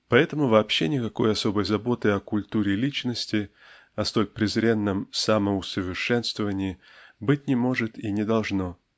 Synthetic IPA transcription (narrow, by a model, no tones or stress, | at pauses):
pɐɛt̪əmʊvɐːpɕːenʲɪkɐko̞jɐso̞bəjzɐbo̞t̪ɨɐkʊlʲt̪uɾʲɪlʲit͡ɕnəsʲtʲɪ | ɐst̪o̞lʲpɾʲɪzɾʲe̞nːəmsaməʊsəvʲɪrʂɛnst̪vəvənʲɪː | bɨtʲnʲɪmo̞ʐɨt̪inʲɪd̪ɐlˠʐno̞